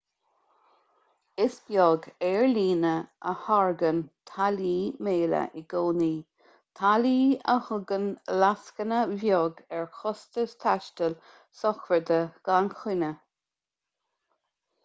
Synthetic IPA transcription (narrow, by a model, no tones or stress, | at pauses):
ɪsbjɔːɡɛɹliːnəəhaɹɡənt̪ʰaliːmeːlə̰ʔɪɡoːniː | t̪ʰaliːəhʊɡənlaskənəvjɔːɡɛɹxɔst̪əst̪ʰaʃtəl | sɔxvəd̪əɡ̥anxʰɪnə